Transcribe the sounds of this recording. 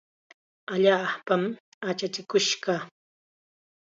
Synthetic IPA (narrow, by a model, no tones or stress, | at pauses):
aʎaːpam | at͡ʃat͡ʃɪkʊʃɢɑ